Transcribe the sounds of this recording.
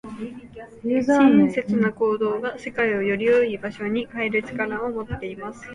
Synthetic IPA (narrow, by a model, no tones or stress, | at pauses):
jɯːzaaĩse̞t͡sɨnako̞ːd̪o̞ːɡase̞kaio̞jo̞ɾʲijo̞ibaɕo̞ɲ̟ikaeɾɯ̟t͡ɕi̥kaɾaomo̞t̪ːe̞imasɨ̥